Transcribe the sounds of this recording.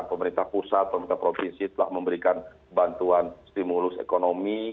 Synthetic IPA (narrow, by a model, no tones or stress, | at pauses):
npəməɾint̪ahpusat̪̚pəmɾint̪apɾofinsit̪əla̰hməmbəɾikan | bant̪uanst̪imulʊsḛkonomi